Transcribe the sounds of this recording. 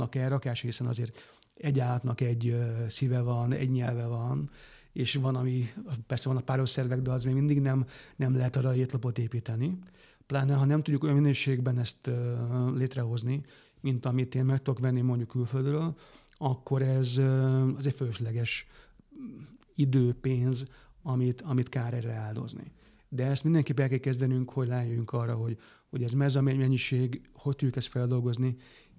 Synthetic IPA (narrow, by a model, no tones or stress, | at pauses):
ɒkɛːɾɒkaːʃhisɛnɒ̰zeːɾt̪ɛɟːaːlt̪nɒkɛɟːsivɛvɒnɛ̰ɟɲɛlvɛvɒn | eːʃʋɒnɒmipɛrsɛvɒnɒpaːɾosɛrvɛɡd̪ɛɒzmemind̪iɡnɛmnɛmlɛɦɛt̪ɒɾɒeːt̪lɒpo̞t̪eːpiːt̪ɛni | plaːnɛɦɒnɛmt̪uɟːukojɒminøːʃeːɡbɛnɛst̪ːleːt̪rɛɦo̞zni | mint̪ɒmit̪eːnmɛk̚t̪ud̪okʋɛnːimo̞ɲɟukːylføld̪røːlɒkʰːo̞ɾɛzɒzɛcføløʃlɛɡɛʃ | id̪øːpeːnzɒmit̪ɒmit̪kaːɾɛrɛaːld̪o̞̰znḭ | d̪ɛɛst̪mind̪ɛŋkeːpːɛlkɛlkɛzd̪ɛnyŋkho̞ɟlɛːnjøjyŋkɒrːɒɦo̞ɟ | ho̞ɟɛzmɛzɒmɛmɛɲːiʃeːɡho̞ct̪uɟːukɛst̪fɛld̪o̞lɡo̞zni